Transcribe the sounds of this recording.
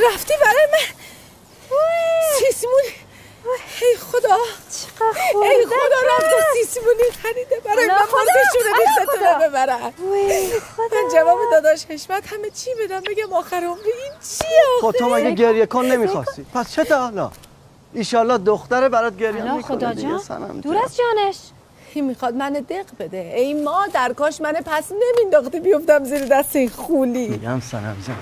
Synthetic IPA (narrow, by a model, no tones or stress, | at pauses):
ɾæft̪iːbæɾɒːjemæn | sismun | hejxod̪ɒː | hejxod̪ɒːɾæft̪isismunixæɾiːd̪ebæɾɒːjemænpoɾteʃuːnebisæt̪ʰoebe̞bæɾæ | mænd͡ʒævɒːbed̪ɒːd̪ɒːʃheʃmæd̪̥hæmet͡ʃʰibe̞d̪æmbe̞ɡæmɒːxæɾeomɾiint͡ʃʰieoxot̪ʰːomæɡeɡeɾjekʰonːemixɒst̪ipʰæst͡ʃʰet̪ɒlɒ̰ː | iʃɒlːɒːhd̪oxt̪æɾebæɾɒd̪̚ɡeɾjɛmmiond͡ʒesæ̰næ̰md̪uɾæzd͡ʒɒːneʃ | kʰimixɒːd̪mæned̪e̞ɣbe̞d̪eejmɒːd̪æɾkɒːʃmænepʰæsne̞mind̪ɒxt̪ibijo̞ft̪æmziːɾed̪æst̪einxuːniːɡæ̰msæ̰næ̰md͡ʒæ